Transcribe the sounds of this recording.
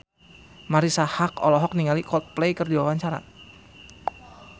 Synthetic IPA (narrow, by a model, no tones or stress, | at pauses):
maɾisahakɔ̰lɔɦɔk̚niŋalikɔt̪̚plɛjkɨrdiwawaɲt͡ʃaɾa̰